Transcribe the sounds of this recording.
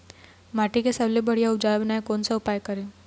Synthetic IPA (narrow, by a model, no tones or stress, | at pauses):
maːʈikesɐblebɐɽijaʊd͡ʒaːlbənaekoːnsaʊpaːjkɐɾẽː